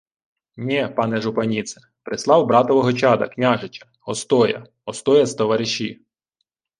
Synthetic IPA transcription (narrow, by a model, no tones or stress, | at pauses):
nʲɛpɑnɛʒʊpɐnʲit̪sɛ̥ | pɾɪslˠɑwbɾɑt̪ɔʋɔɦɔt͡ʃɑd̪ɐ̰knʲaʒɪt͡ʃɐ̥ | ɔst̪ɔjɐ̰ | ɔst̪ɔjɐzt̪ɔʋɐɾɪʃi